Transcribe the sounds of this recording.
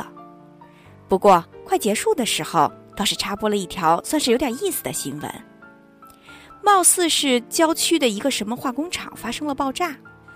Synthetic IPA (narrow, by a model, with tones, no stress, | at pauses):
ə˩ | pu˧˥kwɔ˥˧kʰwa˥˩ɪt͡ɕjɛ˧˥ʂu˥˩d̪ə˩ʂɻ̩˧˥xo˧ʊt̪ɑ˥˧ʊʂɻ̩˥˩ʈ͡ʂʰa˥pwɔ˥lə˧i˥˩t̪ʰjɑ˧˥ʊswnʂɻ̩˥˩jo˧˥ʊtʲjʲi˥˩sɹ̩˨˩d̪ə̰˩ɕḭ˧˥nwə̰˧˥n | mɑ˥˧ʊsɹ̩˥˧ʂɻ̩˥˩t͡ɕjɑ˥ʊt͡ɕʰy˥d̪ə˨i˧˥ɡə˧ʂə˧˥nmə˧xwa˥˩kʊ˥ŋʈ͡ʂʰɑ̰˨˩˦ŋfa˥ʂɤ˥ŋlə˨pɑ˥˧ʊʈ͡ʂa˥˩